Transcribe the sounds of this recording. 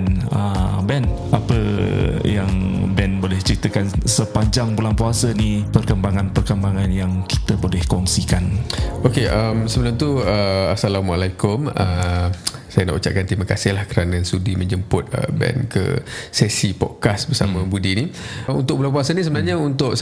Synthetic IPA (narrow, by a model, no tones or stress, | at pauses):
nəbɛn | apəjaŋbɛnbolɛht͡ʃəɾit̪əkansəpaɲd͡ʒaŋbulaŋpuasənipərkəmbaŋanpərkəmbaŋanjaŋki̥t̪əbolɛhkɔŋsikanokeʔəmsəbənaŋt̪uəasalamalakʊmə | sajəna̰ʔut͡ʃa̰ʔ̚kant̪imakasɪhlahkəɾanəsudimə̃ɲd͡ʒəmpʊt̪̚ə̰bɛ̰nkə̰sɛsipɔ̰t̪̚kasbərsamə̃budiniṵnt̪ʊk̚bulaŋpuasənisəbənaɦɲəunt̪ʊʔ